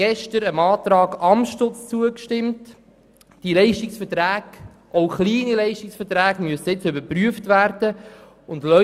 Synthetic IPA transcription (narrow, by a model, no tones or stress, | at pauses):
ɛʃtəɾəmɑːt̪ɾɑːɡɑmʃtʊt͡st͡suəkʃtɪmt | d̥ilɛɪʃtɪksfətɾæːɡ̥ | ʔoʊχliːnilɛɪʃtɪksfətɾæːɡmyəsəɪt͡sʏbəɾpryəftʋæɾd̥ə | ʊndlœ